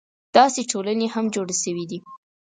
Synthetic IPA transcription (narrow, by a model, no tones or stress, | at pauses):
d̪̥ɑseʈʰolanehamd͡ʒoɽeʃəwid̪i